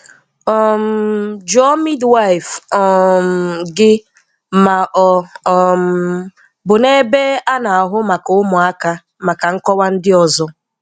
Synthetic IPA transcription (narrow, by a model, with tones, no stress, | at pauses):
ɔ˨m̩˨˦˨d͡ʒɔ˦mi˦dwa˦i˨fɔ˨m˨ɡɪ˦ | ma˨ʔɔ˨m̩ | bʊ˨ne˦be˦a˦na˨a˨ɦʊ˦ma˨kʊ˨ʊ˦mʊ˨a˦ka˦ | ma˨ka˨ŋ̩˦kɔ˦wa˦n̩˦dɪ˦ɔ˨zɔ˦